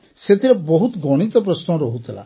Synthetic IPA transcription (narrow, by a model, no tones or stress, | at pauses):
set̪ʰiɾebɔɦut̪ɡɔɽ̃it̪ɔp̬ɾɔsnɔ̃ɾɔɦut̪ʰila̰